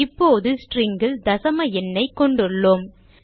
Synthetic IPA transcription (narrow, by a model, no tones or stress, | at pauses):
ɪpːoːðɯsʈrɪŋɡɪld̪ɐsɐmɐɛnːɐɪkːɔɳɖɯɭːoːm